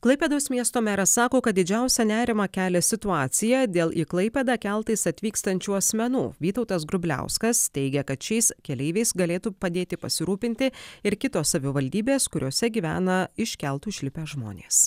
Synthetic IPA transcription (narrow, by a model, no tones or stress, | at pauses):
klˠɐɪpʲɛd̪ɐʊsmʲiɛst̪oːmʲæɾɐsɑːkoːkɐt̪̚d̪ʲɪd͡ʒʲæˑʊsʲɛnʲæːɾʲɪmɑkʲæːlʲɛsʲɪt̪ʊɑːt̪sʲɪjɛd̪ʲeːlˠʔiːklˠɐɪpʲɛd̪ɑkʲɛlˠt̪ɐɪsɐt̪ʲʋʲiːkst̪ɐnʲt͡ʃʲuːɐsʲmʲɛnṵːʋʲiːt̪ɒʊt̪ɐs̬ɡɾʊbʲlʲæ̰ʊskɐst̪ʲɛɪɡʲɛkɐt̪ʃʲɛɪskʲɛlʲɛɪʋʲɛɪsɡɐlʲeːt̪uːpɐd̪ʲeːt̪ʲɪpɐ̰sʲɪɾuːpʲɪnʲt̪ʲɪɪɾkʲɪt̪oːsɐʋʲɪʋɐlʲd̪ʲiːbʲeːskʊɾʲoːsʲɛɡʲiːʋʲæ̰ːnɐɪʃʲkʲɛlˠt̪uːʃʲlʲɪpʲeːʒmo̰ːnʲḛːs